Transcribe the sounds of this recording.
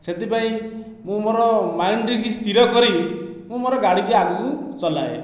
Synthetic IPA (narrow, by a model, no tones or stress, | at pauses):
set̪ipaĩ | mũmoɾɔmajɳɖikist̪iɾɔkɔɾi | mũmoɾɔɡaɽikiaɡukut͡ʃɔlae